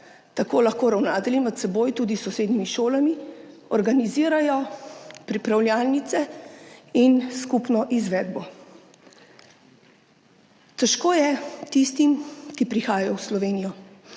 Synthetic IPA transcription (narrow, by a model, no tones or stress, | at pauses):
t̪akoːlaxkoːɾawnaːt̪ɛlimɛt̪sɛboːjt̪uːd̪isɔseːd̪nimiʃoːlami | ɔɾɡaniziːɾajɔpɾipɾawlʲjaːlnit̪sɛ | inskupnɔʔizʋɛːd̪bɔ | t̪ɛʃkoːjɛt̪ist̪imkipɾixaːjajɔwslɔʋeːnijɔ